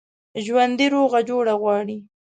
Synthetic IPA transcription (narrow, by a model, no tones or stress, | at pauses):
ʒwand̪iɾoɣad͡ʒoɽaɣwɑːɽi